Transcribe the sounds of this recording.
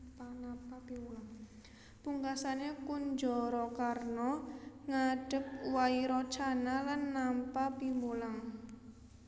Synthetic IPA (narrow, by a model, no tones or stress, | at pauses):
napapimulaŋ | puŋkasanekund͡ʒɔɾɔkarnɔŋaɖ̥ə̤p̚waiɾɔt͡ʃanalanːampapimbulaŋ